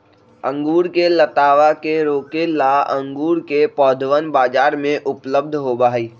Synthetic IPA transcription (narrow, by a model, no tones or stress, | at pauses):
ə̃ŋɡuːɾkelət̪aːʋakeɾoːkelaə̰̃ŋɡuːɾkepɔːd̪ʱʋənbaːd͡ʒaːɾmẽʔʊpləb̚d̪ʱɦobaːɦiː